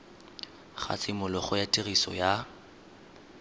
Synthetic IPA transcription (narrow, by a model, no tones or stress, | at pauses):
χa̰t͡sʼɪmʊlɔχʊjatʼirisɔ̰ja